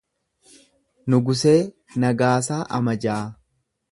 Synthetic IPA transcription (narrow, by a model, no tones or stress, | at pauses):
nʊɡʊseː | nɐɡaːs̬aːʔɐmɐd͡ʒaː